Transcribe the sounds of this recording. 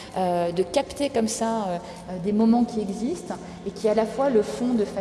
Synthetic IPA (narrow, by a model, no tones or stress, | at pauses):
ød̪əkapt̪ekɔmsaø | d̪emɔmɑ̃kʲiɛɡzist̪ | ekʲialafwaləfɔ̃d̪əfa